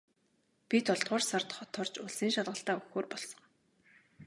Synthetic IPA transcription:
pʲit̪ʰɔɮt̪ʁʊːrsɔrt̪χɔt̪ʰɔrt͡ɕʊɮsiːŋʃaɮʁə̆ɬt̪aːuxoːrpɔɮsɞ̆ŋ

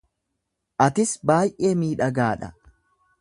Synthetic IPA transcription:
ʔɐt̪ɪsbaːjʔeːmiːᶑɐɡaːᶑɐ̰

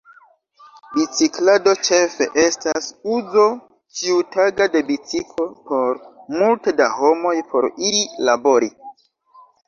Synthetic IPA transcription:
bit͡siklado̞t͡ʃe̞fe̞̰ʔe̞stasuzo̞ | t͡ʃiutaɡade̞bit͡sikʰo̞po̞ɾmulteda̰ho̞mo̞jpʰo̞ɾiilabo̞ɾi

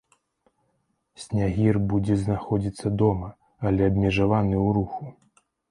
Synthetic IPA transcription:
sʲnʲaɦʲirbud͡zʲɛznaxɔd͡zʲit̪sːɐd̪ɔmɐ | ɐlʲɛɐbmʲɛʐavanɨwɾuxu

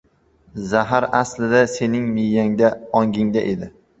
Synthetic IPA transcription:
zaɦaɾaslɪd̪ase̞nɪŋmijːaŋd̪aɒŋɡʲɪŋd̪aʔe̞d̪ɪ

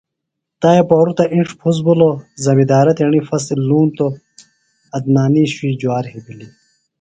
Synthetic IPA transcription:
t̪aːjɐpoːɾut̪ɐʔĩɳʈ͡ʂʰpʰus̬bulozɐmid̪aːɾɐt̪eɳifɐs̬iluːnt̪o | ɐd̪̚naːniːɕwiːd͡ʑuaːɾhibili

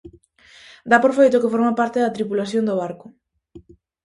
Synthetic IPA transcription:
d̪apoɾfejt̪okefoɾmapaɾt̪eðɐt̪ɾipulaθjond̪oβaɾkʊ

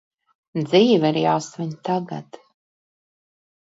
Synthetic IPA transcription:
d̪ziːviɾijasviɲʲt̪aɡa̰t̪

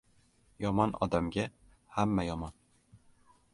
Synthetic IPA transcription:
jɒmɒnɒ̰d̪amɡʲa | hamːæjɒmɒn

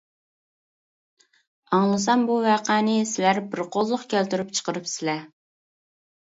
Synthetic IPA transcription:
ɑŋlˠɨs̬ɑmbuvæqʰæːnɪsɪlæɾbɪɾqʰozlˠʊqkʲʰælt̪yɾypt͡ʃʰə̥qəɾɨpsɪlɛ

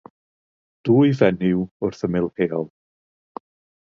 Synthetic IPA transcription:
d̥uːjvɛnɪwʊrθəmɪlˠheːɔlˠ

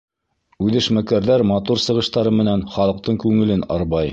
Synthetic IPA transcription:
ʉðɘ̆ʃmækæɾðæɾmɑt̪uɾsɤ̆ʁɤ̆ʃt̪ɑɾɤmɘ̆nænχɑlˠɤ̆q̚t̪ɤɴkʉŋɘ̆lɘnɑ̰ɾβɑj

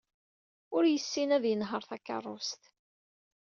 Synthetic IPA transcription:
ʊɾjəsːinæðjənɦəɾˤθækːɑ̰rˤːʊst̪

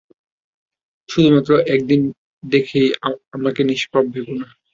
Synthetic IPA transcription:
ʃud̪ʱumat̪ːɾoʔɛk̚d̪in | d̪ekʰejamakeniʃbʱabbʱebona

